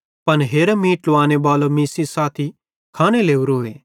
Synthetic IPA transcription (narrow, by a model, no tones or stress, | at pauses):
pɐnɦeːɾemiːʈloaːñebaːlomiːsisaːt̪ʰi | kʰaːɽ̃eleːuɾoːeː